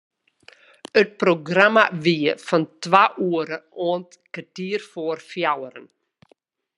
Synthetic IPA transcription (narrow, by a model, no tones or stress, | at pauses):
ət̚proɡramaʋiəfɔntwaʔuəɾəʔoənt | kətiərfoərfjawəɾən